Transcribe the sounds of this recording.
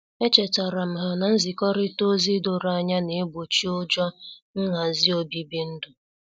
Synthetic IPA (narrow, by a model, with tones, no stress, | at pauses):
e˦t͡ʃe˨ta˨ɾa˨m̩˨ɦa˨na˨n̩˦zi˨kɔ˦ɾɪ˦to˦zi˦do˨ɾa˨ɲa˦ne˨˦ɡ͡bo˨t͡ʃi˦ʊ˦d͡ʒɔ˦n̩˦ŋa˨zi˦o˦bi˦bi˦n̩˦dʊ˨